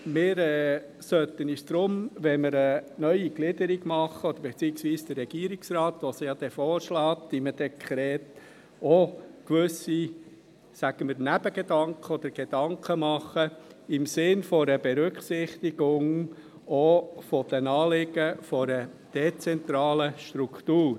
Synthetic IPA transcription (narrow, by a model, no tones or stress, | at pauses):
mɪːɾɛː | sœt̪ənisd̪̥ɾʊmʋɛnməɾənœʏiɡlɪd̪əɾiɡmɑχəod̥̪əɾb̥et͡siːəksʋiːsd̥̪ərːɛɡ̥iːɾiksrɑːt̪ʋosɪjɑd̥̪ɛfɔːɾʃlɑːt̪diməd̥ɛkʰχɾɛːt̪ | okʋʏsi | sæɡ̥əməɾnæb̥əɡ̥ed̥ɑŋkʰəɔd̪əɾɡ̥ed̥ɑŋkʰəmɑχəɪmsɪnfɔɾəbeɾʏkχsɪχt̪iɡ̥ʊŋ | ofɔd̥̪ənɑːlɪɡ̥əfoɾə | d̥et͡sɛnt̪ɾɑːləʃt̪ɾukt̪uːɾ